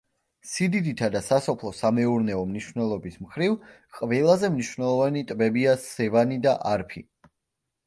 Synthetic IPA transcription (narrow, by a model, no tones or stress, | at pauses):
sid̪id̪it̪ʰad̪asasɔpʰlˠɔsamɛuɾnɛɔmniʃvnɛlˠɔbismχɾiv | qʼvɛlˠazɛmniʃvnɛlˠɔvanit̪ʼbɛbiasɛvanid̪aʔaɾpʰḭ